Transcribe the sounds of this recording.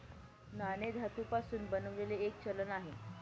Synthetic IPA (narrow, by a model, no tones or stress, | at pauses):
naned̪ʱat̪uːpasuːnbənəʋleleːk̚t͡ɕələnaɦe